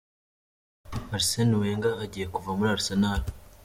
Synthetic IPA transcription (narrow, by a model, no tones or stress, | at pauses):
aɾiseniweːŋɡaːɟiːjekuvamuɾaɾisenaɾa